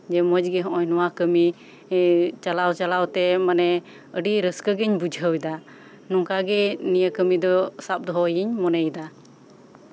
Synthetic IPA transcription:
d͡ʒɛmɔd͡ʒɡɛɦɔ̃ʔɔɲnɔwakəmi | t͡ʃalawt͡ʃalawt̪ɛmanɛ | əɖiɾəskəɡəɲbud͡ʒʱɦəwd̪a | nɔŋkaɡɛnijakəmid̪ɔsap̚d̪ɔɦɔjiɲmɔnɛjd̪a

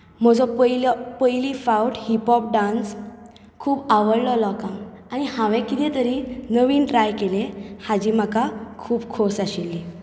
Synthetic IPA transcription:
m̤əd͡zɔpəjlɔpəjlifauwʈhipɔp̚ɖãns | kʰuːbaʋəɽlɔlɔkãŋ | añihãʋɛ̃kit̪ɛ̃t̪əɾinəʋiːnʈɾajkelehad͡ʑiːm̤əkakʰuːbkʰosaɕilːi

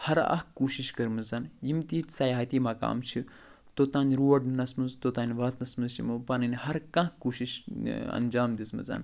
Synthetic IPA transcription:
hɐɾɐ̰ɦkːuːʃiʃkɐɾmɨzɐnjimt̪iːt̪ʲsɐjaːɦɐt̪iːmɐːka̰ːmt͡ʃʰi | t̪oːt̪aːnɾuːɐɖnɐsmɨzt̪ot̪aːnʲʋɐt̪nɐsmɨzt͡ʃḭmupɐnɐnhɐɾkɐ̃ɦkuːʃiʃɐ̰nd͡ʒaːmd̪ismɨ̰zɐ̰n

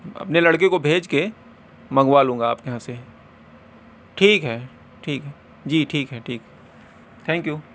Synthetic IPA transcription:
ɐ̰pnelɐɽk̬ekobʱeːd͡ʒke | mɐ̃ŋɡwalũːŋɡaaːpkɐɦãse | ʈʰiːkɦɛː | ʈʰiːkɦɛ | d͡ʒiːʈʰiːkɦɛʈʰiːkɦɛ | t̪ʰɛ̃ːŋkjuː

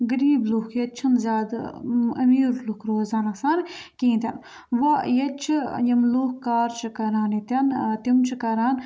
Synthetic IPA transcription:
ɡɐɾiːblukʰjɐt͡ʃʰɐnzʲaːd̪ɐ̰miːɾlukʰɾoːzaːnɐsaːɾkĩːt̪ʲɐn | ʋɐjɐt͡ʃʰijɐmloːkːaːɾt͡ʃʰikɐɾaːnit̪ʲɐnt̪imt͡ʃʰikɐɾaːn

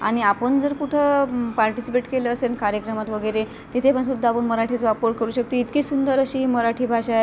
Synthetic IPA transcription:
a̰ɽ̃iapəɳd͡zəɾkuʈʰəpaɾʈisipeʈkeləːsenkaɾjəkɾəmat̪ʋəɡəjɾe | t̪it̪ʰepəɳsud̪ʱːaːpəɳməɾaʈʰit͡sʋapəɾkeɾuːɕək̚t̪uit̪kiːsund̪əɾəɕiːiməɾaʈʰiːbʱaɕae

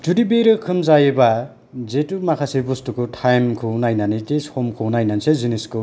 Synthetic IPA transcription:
d͡ʒudibeɾɯkʰɯmzajeba | zetumakʰasebustukʰɯtʰajmkʰɯwnajnaniteshɔmkʰɯwnajnanseziniskɯ

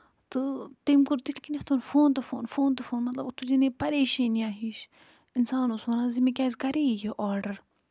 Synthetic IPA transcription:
t̪ɨt̪emkuɾt̪it̪ʰkineht̪ʰunfoːnt̪ɨfoːnfoːnt̪ɨfoːnmɐt̪lɐbt̪ud͡ʒinepɐɾeːʃiːniaːɦiːʃ | insaːnusʋɐnaːzimikʲaːzʲkɐɾeːjeʔɔːɾɖɐɾ

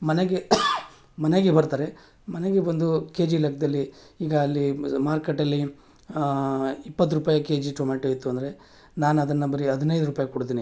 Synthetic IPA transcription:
mɐneɡe | mɐneɡebɐɾt̪aːɾe | mɐne̞ɡebond̪uke̞ːd͡ʒilɐk̚ʰɐd̪ɐlːiiːɡɐːlːimaːɾkeʈːɐlːi | ipːɐt̪̬ːuɾupaːjɐke̞ːd͡ʒiʈoːmaʈɐjit̪ːuɐnd̪ɐɾe̞ | naːnɐd̪ɐnːɐbɐɾiɐd̪inɐjd̪uɾuːpaːjɐkuɽt̪̬iːni

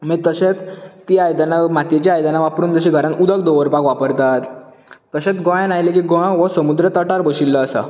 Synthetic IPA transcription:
mit̪əɕet͡st̪iajd̪anamat̪et͡ɕaajd̪anaʋapɾuːnt̪əɕiɡʱəɾãnt̪ud̪əkd̪oʋəɾpakʋapəɾt̪at̪ː | əɕet͡sɡɔ̃jãnajlekiːɡɔ̃ʋəsəmud̪ɾət̪əʈaɾbəɕilːəːsa̰

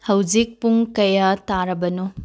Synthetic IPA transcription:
hɐwd͡ʒik̚puŋkɐjataɾɐbɐno

